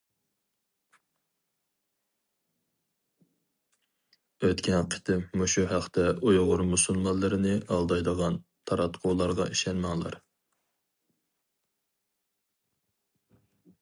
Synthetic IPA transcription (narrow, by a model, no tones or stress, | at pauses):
øt̪kʲʰɛnqʰə̥t̪ʰɪmːuʃuɦæχt̪ʰɛojʁʊɾmusulˠmɑnlˠːɨɾɪnɪɑlˠd̪ɑjd̪əʁɑnt̪ʰɑɾɑt̪qʰoːlˠɑɾʁɑʔiʃɛnmɑŋlˠɑ̰ɾ